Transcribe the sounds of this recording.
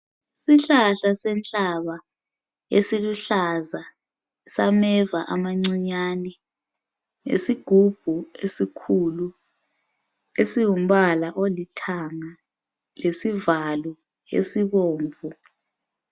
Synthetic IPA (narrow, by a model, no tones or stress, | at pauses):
siɬaɬasɛnt͡ɬʼaβa | esiluɬaza | samɛvaʔamaŋ͡ǀiɲaːnɛ | ŋḛsiɡ̥ʱub̥ʱuesikʰulu | esiwum̩βalaʔolitʰaŋa | lesivalu | ḛsiβoːɱvʱu